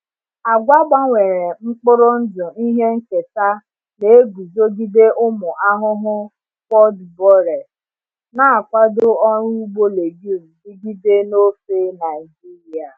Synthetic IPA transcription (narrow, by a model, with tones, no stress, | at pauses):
a˨ɡʷa˦ɡ͡ba˦ŋʷe˨ɾe˨ŋ͡m̩˦k͡pʊ˦ɾʊ˦n̩˦dʊ˨i˦ɦe˦ŋ̩˦ke˨ta˦ | ne˨e˦ɡu˨zo˦ɡi˦de˦ʔʊ˦mʊ˨ʔa˦ɦʊ˦ɦʊ˦ | kɔ˦dbɔ˦ɾe˨s | na˦a˨kʷa˦dʊ˦ɔ˦ɾu˦u˦ɡ͡bo˦le˨ɡi˦˨m̩˨di˦ɡi˦de˦no˦fe˦na˨i˨d͡ʒi˦ɾi˨a˨